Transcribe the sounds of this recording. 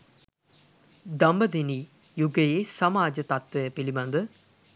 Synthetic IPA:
d̪ambəd̪eni | juɡəjeːsɐmaːd͡ʒət̪at̪ʋejəpiliband̪ə

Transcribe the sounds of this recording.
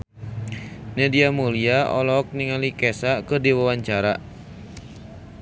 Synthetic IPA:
nɛdiamoliaɔ̰lɔk̚niŋalikɛsakɨrdiwawaɲt͡ʃaɾa

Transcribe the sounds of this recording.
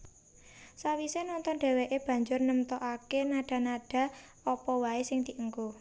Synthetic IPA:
sawisenɔnt̪ɔnɖ̥ɛ̤weʔeb̥ä̤ɲd͡ʒʊrnəmt̪ɔʔakenaɖ̥a̤naɖ̥ä̤ | ɔpɔwaesɪŋd̪̥iʔəŋko

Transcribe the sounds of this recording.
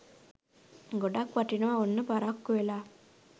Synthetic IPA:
ɡoɖakʋaʈinuʋaonːəpaɾakːuʋelaː

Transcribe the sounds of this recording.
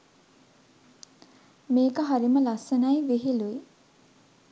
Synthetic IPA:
meːkəɦaɾiməlasənajʋeɦilui

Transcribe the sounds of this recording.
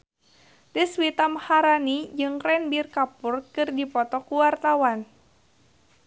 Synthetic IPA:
dəswit̪amhaɾanid͡ʒɨŋkɾɛnbirkapʊrkɨrdipɔt̪ɔkuwart̪awan

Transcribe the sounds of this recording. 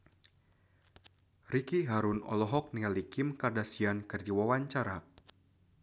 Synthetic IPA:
rikiɦaɾunɔ̰lɔɦɔk̚nialikimkardasiankɨrd͡ʒawawaɲt͡ʃaɾa

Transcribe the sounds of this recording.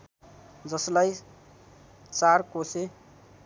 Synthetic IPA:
d͡zʌslaj | t͡saɾkose

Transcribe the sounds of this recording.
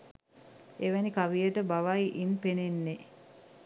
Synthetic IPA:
eʋænikaʋijəʈəbaʋajʔinpenenːe

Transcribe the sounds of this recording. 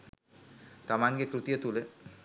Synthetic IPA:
t̪amaŋɡekɾut̪ijət̪ule

